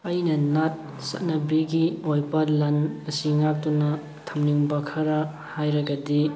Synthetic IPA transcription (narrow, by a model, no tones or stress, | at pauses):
ɐjnɐnat̚ | sɐ̰tnɐbiɡiojbɐlɐnɐsiŋak̚tunɐ | tʰɐmniŋbɐkʰɐɾɐ | hajɾɐɡɐdi